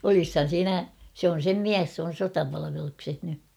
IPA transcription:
olishɑn̞ siːnæ sĕ on̞ sem miæs s oːn̞ sotɑpɑlɑʋelukseh ny

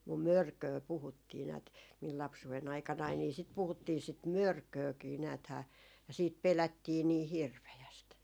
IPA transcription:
mum mørkøː puhutːiː næːt mil lɑpsuw̆en ɑikɑnɑi niˑ sit puhutːiː sit mørkøːkiː næːthæː jɑ siːt pelætːiː niː hirʋejæst

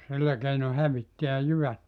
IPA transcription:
silːæ keino hæʋitːiæ jyʋæt

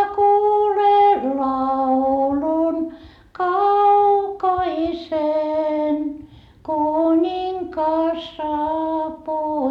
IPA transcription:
kuːlen lɑulun kɑukɑisen kunʲiŋkɑs sɑːpuː

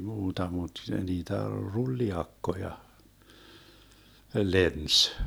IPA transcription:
muːtɑ mut niːtæ rulːiɑkːojɑ lens

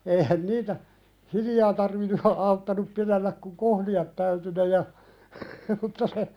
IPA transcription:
eihæn niːtæ hiljɑː tɑrʋinːu hɑ ɑutːɑnup pilelːæk kuŋ kohliɑt tæyty ne jɑ mutːɑ se

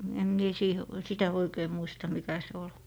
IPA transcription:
em mie siːhe sitæ oikei muistɑ mikæ se ol

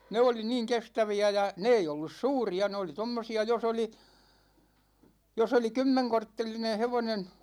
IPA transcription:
ne oli niːŋ kestæʋiæ jɑ ne ei olːus suːriɑ ne oli tomːosiɑ jos oli jos oli kymːeŋkortːelinẽː heʋonen

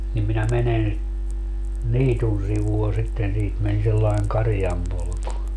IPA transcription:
nim minæ menen niːtun siʋuɑ sitːen siːt men selːɑiŋ kɑrĭjɑmpolku

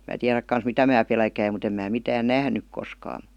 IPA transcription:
mæ tiæræk kɑns mitæ mæː pelkæim mut em mæː mitæːn næhnyk koskɑː

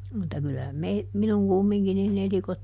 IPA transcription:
mutːɑ kylæ mei minuŋ kumːiŋki nin elikot

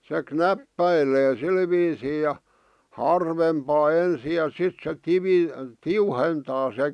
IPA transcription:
se knæpːæileː sil ʋiːsiː jɑ hɑrʋempɑː ensi jɑ sit se tiʋi tiuhentɑː se

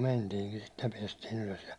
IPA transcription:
mentiːŋkin sit jɑ piɛstiːn yløs jɑ

